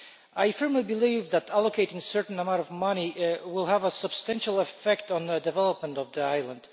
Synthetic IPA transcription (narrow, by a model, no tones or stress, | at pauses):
aɪfɜ˞mlibɨlivðæɾælˠokʰeɪɾɪ̃ŋsɜ˞tn̩əmãʊ̃ntɔvmʌniwɪlˠɦævəsəb̥stæ̃nʃl̩ˠəfɛk̚tn̩ðədɨvɛlˠəp̚mə̃ntɔvðiaɪlˠə̃nd̥